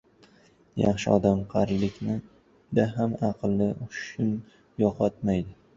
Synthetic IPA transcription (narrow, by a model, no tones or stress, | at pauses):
jɑχʃɪɒ̰d̪amqʰɑɾlɪkʲnɪ | d̪aɦamɑqʰɨlˠːɪʔʊɪn | jɒqʰɒt̪majd̪ɪ